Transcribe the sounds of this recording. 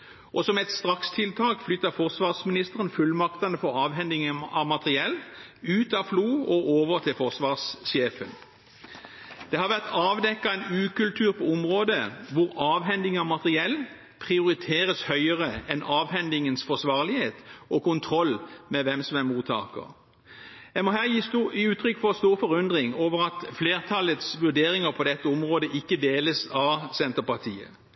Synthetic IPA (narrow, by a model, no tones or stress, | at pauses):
ʔɔsɔmɛt̪st̪ʁɑkst̪ʰɪlt̪ʰɑːkflʏt̪ːɑfɔʁsʋɑːʁsmɪnɪst̪əʁənfʉlmɑkt̪ɑnəfɔʁɑːʋɦɛnd̪ɪŋənɑʋmɑt̪ʁɪɛlːʉːt̪ɑfluːɔʔoːʋəʁt̪ʰɪlfɔʁsʋɑːʁsɕeːfən | d̪̥ɛhɑʁʋæʁt̪ɑːʋd̪ɛkːɑɛnʉːkʉlt̪ʰʉːʁpʰɔɔmʁoːd̪əʋʊʁɑːʋɦɛnd̪ɪŋɑʋmɑt̪əʁɪɛlː | pʰʁɪʊɾɪt̪ʰeːʁəshœʏəʁəɛnɑːʋhɛnd̪ɪŋənsfɔsʋɑːʁlɪheːt̪ʔɔkʊnt̪ʰʁɔlːmɛʋɛmsɔmæmuːt̪ʰɑ̰ːkə̰ʁ | jæɪmɔɦæːjiːʉːt̪ʰʁʏkːfɔst̪uːʁfɔʁʉnd̪ʁɪŋoːʋəʁɑt̪fleːʁt̪ʰɑlət̪sʋʉd̪eːʁɪŋəʁpʰɔd̪ɛt̪ːəɔmʁoːd̪əʔɪkːəd̪eːləsɑʋsɛnt̪əpɑt̪ʰiːə̰